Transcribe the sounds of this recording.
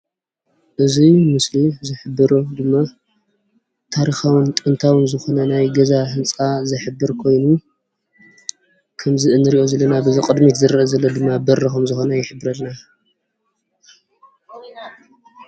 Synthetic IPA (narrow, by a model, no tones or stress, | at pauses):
ʔɨzimɨslizɨħɨbːɨɾud̪ɨmːa | t̪ʰaɾixawɨnt̪ʼɨnt̪ʰawɨnzɨxo̞nɐnajɡɐzahɨnt͡sʼazɨħɨbːɨɾkʰo̞jnu | kʰɐmzɨʔɨnːɨɾiʔo̞zɐlːɐnabɨziqʼɨd̪mit̪zɨɾʔɐzɐlːod̪ɨmːabɐrɐxomzɨxo̞nɐjɪħɨbːɨɾɐlna